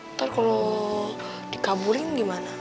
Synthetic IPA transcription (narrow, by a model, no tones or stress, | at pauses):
t̪arkalo | dikabuɾɪnɡimana